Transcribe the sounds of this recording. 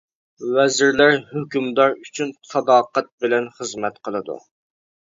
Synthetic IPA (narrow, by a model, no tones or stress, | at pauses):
wɛzɪɾlæɾhøkʲymd̪ɑɾyt͡ʃʰynsʰɑd̪ɑːqæt̪̚bɪlɛnχəzmɛt̪qʰəlˠɨd̪ṵ